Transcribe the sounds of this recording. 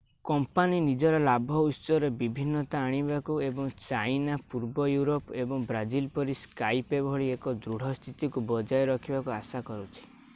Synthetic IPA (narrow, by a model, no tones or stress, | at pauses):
kɔmpaninid͡ʒɔɾɔlabʱɔutsɔɾebibʱinːɔt̪aːɽ̃ibakuebɔŋt͡ʃajnapuɾbɔjuɾopebɔŋbɾad͡ʒilpɔɾiskajpebʱɔɭiekɔd̪ɾuɽ̤ʱɔst̪ʰit̪ikubɔd͡ʒajɔɾɔkʰibakuasakɔɾut͡ʃʰi̥